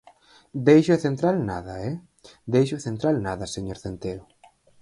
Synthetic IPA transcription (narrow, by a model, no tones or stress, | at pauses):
d̪ejʃoeθent̪ɾalna̰ðɐɛ | d̪ejʃʊeθent̪ɾalnaðɐseɲoɾθent̪eɾʊ